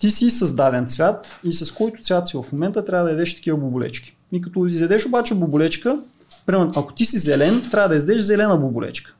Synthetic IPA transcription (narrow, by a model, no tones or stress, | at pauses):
t̪isisɐzd̪ad̪ɛnt̪svʲjat̪isɐskɔjt̪ʊ̥t̪svʲjat̪sivɐfmomɛnt̪ət̪ɾʲavəd̪ɐɛd̪ɛʃt̪ɐ̥kʲivəbʊbʊlɛ̰t͡ʃkʲi̥ | ik̬ɐt̪ɔizɛd̪ɛʃobat͡ʃɛbʊbʊlɛt͡ʃkə | pɾimɛɐko̥t̪isizɛlɛnt̪ɾʲavəd̪ɐizd̪ɛʃzɛlɛnəbʊbʊlɛ̰t͡ʃkə̥